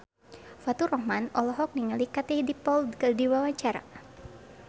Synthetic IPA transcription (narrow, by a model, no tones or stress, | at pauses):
fat̪urɔhmanɔlɔɦɔk̚niŋalikat̪ɛhdipɔlkdiwawaɲt͡ʃaɾa̰